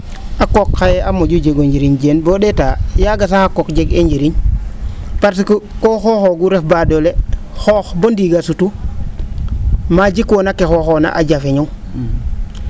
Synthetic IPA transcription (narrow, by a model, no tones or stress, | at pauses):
akokːajeamoɟud͡ʒeɡoɲɟiɾiɲɟeːnboɗetajaɡas̬ahakokɟeɡeɲɟiɾiɲ | paɾsikkoxoxoɡuɾefbadole | xoːxbondiɡasutu | mad͡ʒikwonakexoxona̰ʔaɟafeɲu